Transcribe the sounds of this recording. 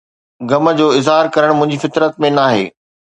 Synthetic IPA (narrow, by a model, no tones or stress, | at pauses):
ɡɐmə̆d͡ʑoːɪzɦaːɾkɐɾəɽ̃mʊ̃ɦɪ̃ɲd͡ʑifɪt̪ɾət̪̚mẽnaːɦḛː